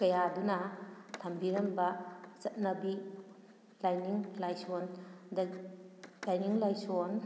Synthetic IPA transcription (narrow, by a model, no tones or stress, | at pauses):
kɐjadunɐtʰɐmbiɾɐmbɐt͡ʃɐt̚nɐbi | lajniŋlajsond | lajniŋlajson